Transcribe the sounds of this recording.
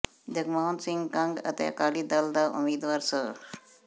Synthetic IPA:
d̪əɡmawnsiŋɡkãŋɡɐ̰t̪eja̰kalid̪ald̪aʔṵmiːd̪ʋaːɾsə

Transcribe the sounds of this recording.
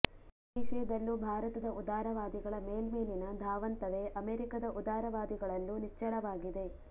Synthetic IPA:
iʃɛːd̪ɐlːubʱaːɾɐt̪ɐd̪ɐʔud̪aːɾɐʋaːd̪iɡɐɭɐmeːlmeːninɐd̪ʱaːʋɐnt̪ɐʋe̞ʔɐmeːɾikɐd̪ɐʔud̪aːɾɐʋaːd̪iɡɐɭɐlːunit͡ʃːɐɭɐʋaːɡid̪e̞

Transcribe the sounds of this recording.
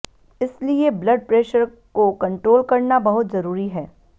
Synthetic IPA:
ɪslieblɐɖ̚pɾeːʃəɾ | kokɐ̃ɳʈɾoːlkɐɾnabɐɦʊt̪zɐɾuːɾiɦɛː

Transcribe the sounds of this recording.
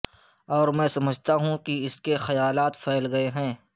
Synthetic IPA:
ɔːɾmɛ̃ːsɐməd͡ʒʱt̪aɦũkiɪskexɐjaːlaːt̪pʰɛːlɡɐeɦɛ̃ː

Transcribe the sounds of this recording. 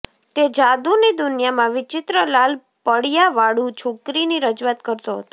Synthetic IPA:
t̪ed͡ʒad̪unid̪ʊnjamãʋɪt͡ʃɪt̪ɾəlal | pəɽjaʋaɽũt͡ʃʰokɾiniɾəd͡ʒuʋat̪kəɾt̪oɦət̪o̥

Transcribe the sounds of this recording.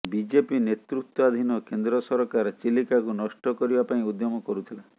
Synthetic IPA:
bid͡ʒepinet̪ɾut̪wɔad̪ʱinɔkend̪ɾɔsɔɾɔkaɾɔt͡ʃilikakunɔʃʈɔkɔɾibapaĩud̪jɔmɔkɔɾut̪ʰila

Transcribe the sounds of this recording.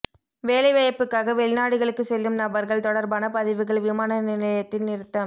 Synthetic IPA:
ʋeːlɐɪʋɐjɐpːɯkːaːɣɐʋɛɭɪnaːɽɯɣɐɭɯkːɯsɛlːɯmnɐbɐɾɣɐɭt̪ɔɽɐɾbaːnɐpɐðɪʋɯɣɐɭʋɪmaːnɐnɪlɪɐɐjɐt̪ːɪnnɪɾɯt̪ːɐm

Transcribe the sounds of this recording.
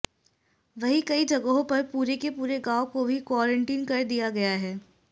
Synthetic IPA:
ʋɐɦikɐid͡ʒɐɡəɦõpɐɾpuːɾekepuːɾeɡaːokobʱikwɔːɾə̃ɳʈiːnkɐɾd̪ijaɡɐjaɦɛː

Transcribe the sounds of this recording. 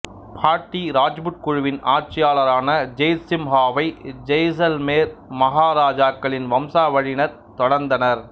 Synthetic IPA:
pʰaːɾʈːiɾaːd͡ʒbʊʈ̚kʊɻʊʋɪnaːɾt͡ʃɪjaːlɐɾaːnɐd͡ʒɛjsɪmɦaːʋɐɪd͡ʒɐjs̬ɐlmeːɾmɐɦaːɾaːd͡ʒaːkːɐɭɪnʋɐmsaːʋɐɻɪnɐɾ | t̪ɔɽɐɾnd̪ɐnɐɾ

